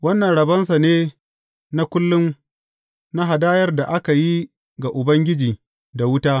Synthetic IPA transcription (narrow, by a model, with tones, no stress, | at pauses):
wɐ˦nːɐ˨nɽɐ˨bɐ˦nsa˨neː˦ | na˦kʷʊ˦lːʊ˦m | na˦ɦa˨daː˦jɐ˦rda˨ʔa˦ka˨ji˦ | ɡa˨ʔʊ˨bɐ˦ŋɡʲɪ˦d͡ʒiː˨ | da˨wʊ˦taː˦